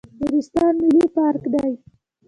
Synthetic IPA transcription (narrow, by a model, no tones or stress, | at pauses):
iɾist̪ɑnmilipɑɾkd̪aj